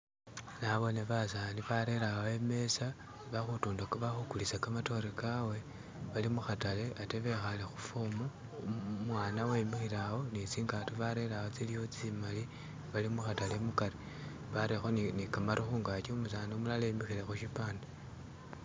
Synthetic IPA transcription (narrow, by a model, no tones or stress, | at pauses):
naβo̞neβasaːniβaɾeɾaweme̞sa | βaxutuːndakβaxukulisakamato̞ɾekawe̞ | βalimuxatale̞ʔate̞βe̞xalexufomu | mwaːnawemixiɾawo̞nit͡siːŋɡatuβaɾe̞lawot͡silijo̞t͡simali | βalimuxatalemukari | βaɾexonnikamaɾʔixuːŋɡat͡ʃiumus̬aːniomulalemixiɾexuʃipaːnde